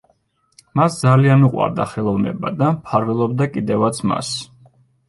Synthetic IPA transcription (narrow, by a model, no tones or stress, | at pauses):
masd̪zalianuqʼwa̰ɾd̪aχɛlˠɔvnɛ̰bad̪ampʰaɾvɛlˠɔbd̪akʼid̪ɛvat̪sʰma̰s